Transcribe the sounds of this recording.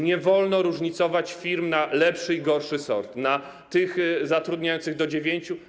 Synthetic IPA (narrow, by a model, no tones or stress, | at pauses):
ɲɛvɔlnɔɾuʐɲit̪sɔvat͡ɕfʲiɾmnalɛpʂɘiɡɔɾʂɘsɔ̰ɾt̪na | t̪ɘxzat̪ɾud̪ɲajɔnt̪sɨɣd̪ɔd͡ʑevʲjeɲt͡ɕu